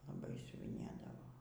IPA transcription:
lˠɐˈbɐɪ sʲʊʋʲɪˈnʲeːdɐʋoː

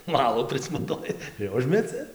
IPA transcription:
ˈʋɑːlˠoː pʲrʲɪsmɐˈtoːjɪ ɪr ˈʊʒʲmʲɛt͡sʲɪ

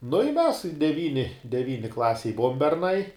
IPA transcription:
nʊ ɪ mʲɛs dʲɛˈʋʲiːnʲɪ dʲɛˈʋʲiːnʲɪ ˈklˠɑːsʲeːj ˈbʊʋoːm bʲɛrˈnɐɪ

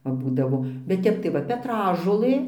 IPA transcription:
ˈʋɐ ˈbuːdɐʋoː bʲɛt ˈtʲɛp tɐɪ ˈʋɐ pʲɛˈtrɑːʒoːlˠɘ

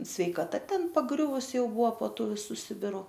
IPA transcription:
sʲʋʲɛɪkɐˈtɐ ˈtʲɛn pɐˈɡrʲʊʋʊs ˈjɛʊ ˈbʊɐ poː ˈtuː ʋʲɪˈsuː ˈsʲɪbʲɪrʊ

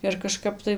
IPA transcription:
ɪr kɐˈʃkɐp tɐɪ

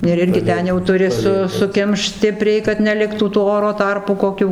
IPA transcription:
ɪr ˈɪrʲɡʲɪ ˈtʲɛn jɛʊ tʊˈrʲɪ sʊ sʊˈkʲɪmʃt ˈsʲtʲɪpʲrʲɛɪ kɐt nʲɛˈlʲɪktuː tuː ˈoːroː ˈtɐrpuː koːˈkʲuː

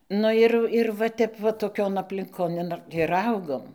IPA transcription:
ˈnʊ ɪr ɪr ʋɐ ˈtʲɛp ʋɐ toːˈkʲoːn ɐpʲlʲɪŋˈkoːn ɪr ˈɐʊɡoːm

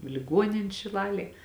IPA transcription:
ɪ lʲɪˈɡuɔnʲɪnʲ ʃʲɪˈlˠɑːlʲeːj

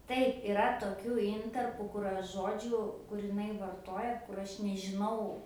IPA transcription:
ˈtɐɪp ɪˈrɐ toːˈkʲuː ˈɪntɐrpuː kʊr ˈɐʃ ˈʒoːd͡ʒʲuː kʊr ɪˈnɐɪ ʋɐrˈtoːjɛ kʊr ˈɐʃ nʲɛʒʲɪˈnɐʊ

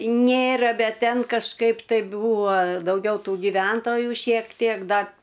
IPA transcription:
ˈnʲeːrɐ ˈbʲɛt ˈtʲɛn kɐʃˈkɐɪp tɐɪ ˈbuːʋoː dɐʊˈɡʲɛʊ ˈtuː ɡʲɪˈʋʲɛntoːjʊ ʃʲiɛk ˈtʲiɛk dɐr

